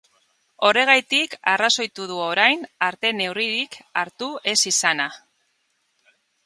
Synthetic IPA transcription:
o̞re̞ɣ̞ajt̪ikaraso̞jt̪uð̞uoɾajnaɾt̪e̞ne̞wriɾikaɾt̪ue̞sisana

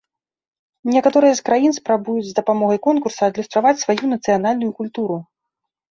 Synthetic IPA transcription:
nʲɛkat̪ɔɾɨjɐskɾajinspɾabujud͡zʲzd̪ɐpamɔɣɐjkɔnkursɐːd̪lʲust̪ɾavat͡sʲsvajunɐt̪sɨjanalʲnujukulʲt̪uɾu

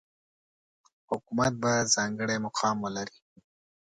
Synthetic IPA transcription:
hʊkumat̪̚bazɑŋɡəɽemʊqʰɑmwəlaɾi

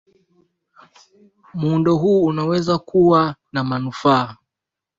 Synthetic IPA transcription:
muundɔɦuːnawɛzakuwanamanufaː

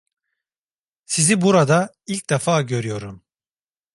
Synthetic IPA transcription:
sizibuɾad̪a | ilʲc̚d̪afaːɟø̞ɾyjo̞ɾum

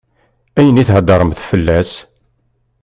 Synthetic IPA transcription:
æjəniθhəd̪ɑɾˤəmθfəlːæs

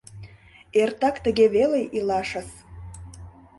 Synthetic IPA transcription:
ert̪ɑkt̪ə̆ɣeβelejʔilɑʃəs

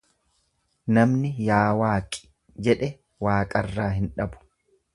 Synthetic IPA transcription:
nɐmnɪjaːwaːkʼɪ̥ | d͡ʒɛᶑɛ | waːkʼɐrːaːɦɪnᶑɐbʊ̥

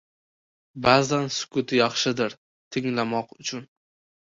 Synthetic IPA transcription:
bazansʊ̥kʰʊt̪ʰɪjɑχʃɪd̪ɪɾ | t̪ʰɪŋlamɒqʊt͡ʃʰʊn

